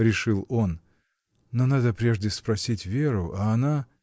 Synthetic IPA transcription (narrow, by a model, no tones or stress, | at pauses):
ɾʲɪʂɨlˠo̞nː | o̞nad̪əpɾʲe̞ʐdʲɪspɾɐsʲitʲvʲeɾʊʔaːna